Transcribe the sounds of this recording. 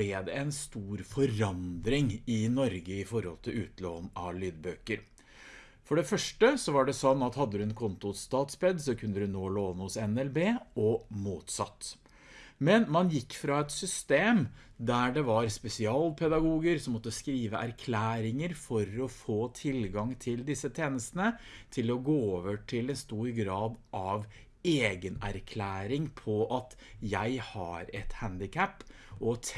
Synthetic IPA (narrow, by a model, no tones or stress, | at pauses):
ɛd̪ɛɛnst̪uːɾfɔɾɑnd̪ɾɪŋɪnɔɾɡəɪfɔɾhɔ̰lt̪ʰɪlʉ̰ːt̪ʰlo̰ːnɑʋlyːd̪bøːkəɾ | fɔɖɛfœʂʈəsɔʋɑɖɛsɔnːɑt̪hɑd̪ːəd̪ʉɛnkʰʊnt̪ʊt̪st̪ɑːt̪spɛd̪sɔkʰʉnd̪əd̪ʉnoːloːnəhʊsɛnɛlbeːɔmuːt̪sɑ̰t̪ː | mɛnmɑnjɪkːfɾɑːɛt̪sʏst̪eːm | d̪æɖɛʋɑɾspɛsɪɑːlpʰɛd̪ɑɡuːɡəɾsɔmɔt̪ːəskɾiːʋəʔæɾkʰlæːɾɪŋəɾfɔɾɔfoːt̪ʰɪlɡɑŋt̪ʰɪld̪ɪsːət̪ʰeːnəst̪ənət̪ʰɪlɔɡoːoːʋəʈʰɪlɛnst̪uːɾɡɾɑːd̪ʔɑʋ | eːɡənæ̰ɾkʰlæːɾɪŋpʰɔʔɑt̪ | jæɪhɑ̰ɾɛt̪hænd̪ɪkʰæpː | ʔɔ